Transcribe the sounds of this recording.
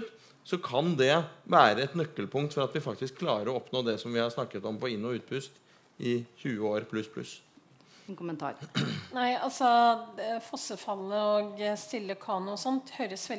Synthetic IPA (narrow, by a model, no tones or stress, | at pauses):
t̪ | sɔkʰɑnd̪ɛʋæːɾəɛt̪nœkːəlpʰʊŋkt̪fɔɾɑt̪ʋɪfɑkt̪ɪskʰːlɑːɾəɾɔɔpnoːd̪ɛsɔmʋɪhɑɾʂnɑkːət̪ɔmpɔɪnːɔʉːt̪̚bʰʉst̪ | ʔɪçʉːəoːɾpʰlʉspʰlʉ̰s | kʊmənt̪ʰɑ̰ːɾnæɪɑlsɔ | fɔsəfɑlːəoːɡst̪ɪlːəkʰɑːnʊɔsɔnt̪høːɾəsʋɛ